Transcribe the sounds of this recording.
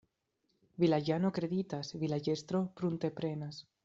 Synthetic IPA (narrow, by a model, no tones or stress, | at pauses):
βilaʝanokɾeðit̪asβilaʝest̪ɾopɾunt̪epɾenas